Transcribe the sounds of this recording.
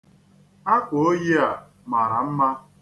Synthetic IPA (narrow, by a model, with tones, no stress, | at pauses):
a˦ko˨˦o˦ji˦a˨ | ma˨ɾa˨m̩˦ma˦